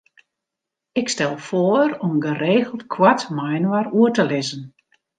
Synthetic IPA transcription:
ɪkstɛlˠfoəɾɔmɡəreːɣəlˠtkʰwatmajnwaruətəlɪzən

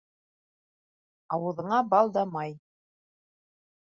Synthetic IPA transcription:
ɑwɤ̆ðɤ̆ɴɑbɑlˠd̪ɑmɑj

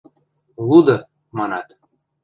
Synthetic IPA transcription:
lˠud̪ɤ̆ | mɑnɑt̪

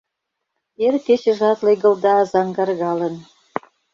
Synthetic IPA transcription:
erket͡ɕə̆ʒɑt̪leɣɤ̆ld̪ɑːzɑŋɡɑrɣɑlə̆n

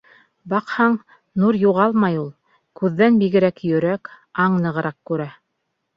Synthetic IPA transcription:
bɑqhɑɴ | nuɾjuʁɑlˠmɑjulˠ | kʉðːænbiɡɘ̆ɾækjɵ̆ɾæk | ɑɴnɤ̆ʁɤ̆ɾʔɑqkːʉɾæ

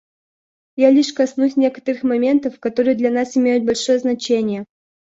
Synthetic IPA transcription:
jalʲiʂkɐsnusʲnʲe̞kə̥t̪əɾɨxmɐmʲe̞nt̪əfkɐt̪o̞ɾɨjəd̪lʲɐnasɪmʲejʊt̪̚bɐlʲʂojəznɐt͡ɕenʲɪjə

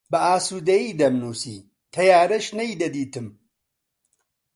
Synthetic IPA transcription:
bɐʔaːsuːd̪ɐjiːd̪ɐmnuːsḭː | t̪ʰɐjaːɾɐʃnɐjd̪ɐd̪iːt̪ɨm

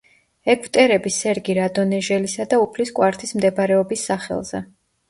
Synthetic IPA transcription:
ɛkʰvt̪ʼɛɾɛbisɛɾɡiɾad̪ɔnɛʒɛlisad̪aupʰliskʼwaɾt̪ʰismd̪ɛbaɾɛɔbisːaχɛ̰lˠz̥ɛ̰

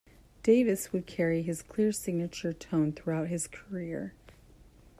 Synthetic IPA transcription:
d̥eɪvɨswəd̚kʰɛɹiɨz̥kʰl̥ɪɹsɪɡ̚nɨt͡ʃə˞tʰõʊ̃nθɹuaʊt̚ɦɨz̥kʰə˞ɪɹ

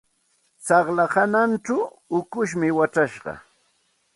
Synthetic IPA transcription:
sɑχlahananʈ͡ʂʊʊkʊʃmɪwaʈ͡ʂaʃɢɑ̰

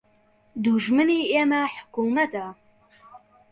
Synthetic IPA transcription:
d̪uʒmɨniːemɐħʊ̥kuːmɐt̪a

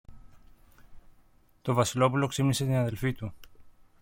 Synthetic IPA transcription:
t̪o̞vɐsilo̞pulo̞ksimnise̞t̪inɐðe̞lfit̪u

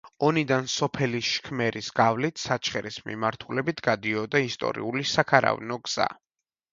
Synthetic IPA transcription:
ɔnid̪ansɔpʰɛliʃkʰmɛɾʔisɡ̥avlit̪ʰsat͡ʃʰχɛɾismḭmaɾt̪ʰulɛbit̪ʰɡ̥ad̪iɔd̪aist̪ʼɔ̰ɾḭulisakʰaɾa̰vnɔɡz̥a̰

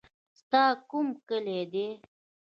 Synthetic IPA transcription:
st̪ɑkumkəled̪e

